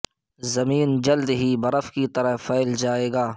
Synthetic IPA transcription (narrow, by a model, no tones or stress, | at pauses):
zɐmiːnd͡ʒɐld̪ɦibɐɾəfkit̪ɐɾəɦfɛɪld͡ʒaːeːɡaː